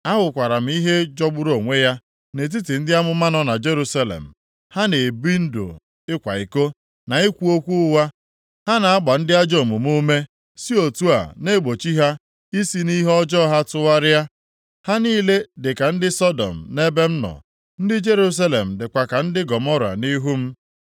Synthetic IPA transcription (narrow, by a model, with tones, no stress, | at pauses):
a˦ɦʊ˨kʷa˨ɾa˨m̩˦i˦ɦe˦d͡ʒɔ˦ɡ͡bʊ˦ɾo˨ŋʷe˦ja˦ | ne˨t̬i˦tɪ˨n̩˦dɪ˦a˦mʊ˦ma˦nɔ˦na˨d͡ʒe˦ɾu˦sa˦lḛ˨m̩˨ | ha˦ne˨bi˦n̩˦do̰˨ | ɪ˦kʷa̰˨i˨ko˦ | na˨i˦kʷu˦o˦kʷu˦ʊ˦wa˦ | ha˦na˨a˦ɡ͡ba˨n̩˦dɪ˦a˦d͡ʒo˦˨mu˨mu˦me˦ | si˦o˨tu˦a̰˨ne˦ɡ͡bo˨t͡ʃi˦ɦa˦ | i˦si˦ni˦ɦɔ˦d͡ʒɔ˦ɦa˦tʊ˦wa˦ɾɪ˦a˦ | ha˦niː˦le˦dɪ˨ka˨n̩˦dɪ˦sɔ˦dɔ̰˨m̩˨ne˦be˦m̩˦nɔ̰˨ | n̩˦dɪ˦d͡ʒe˦ɾu˦s̬a˦lḛ˨m̩˨dɪ˨kʷa˨ka˨n̩˦dɪ˦ɡɔ˨mɔ˦ɾa̰˨ni˦ɦu˦m̩˦